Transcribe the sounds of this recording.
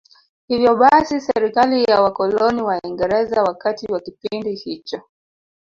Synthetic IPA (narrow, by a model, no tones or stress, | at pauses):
hivjɔɓasisɛɾikalijawakɔlɔniwaiŋɡɛɾɛzawakatiwakipindihit͡ʃɔ